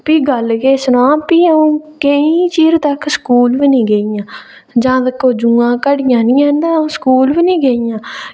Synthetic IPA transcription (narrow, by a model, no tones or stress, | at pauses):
piːɡəlɡeːsənoãːpiːõːkəĩːt͡ʃiːɾt̪əkskuːlʋinĩːɡeːijãː | d͡ʒãːd̪əkːoːd͡ʒuːãːkəɽɪjãːnĩːɛ̃ːnd̪aːõːskuːlʋiːnĩːɡeijãː